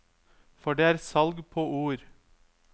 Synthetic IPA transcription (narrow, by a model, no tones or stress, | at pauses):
fɔɖeːæːɾsɑlɡpʰoːʔuːɾ